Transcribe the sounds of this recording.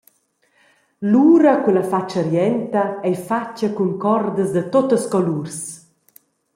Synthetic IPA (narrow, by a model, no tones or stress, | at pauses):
luːɾɐkulafat͡ʃːaɾjɛnt̪ɐɛjfacːakuŋkɔrd̪əsd̪ət̪ot̪əskɔluːrs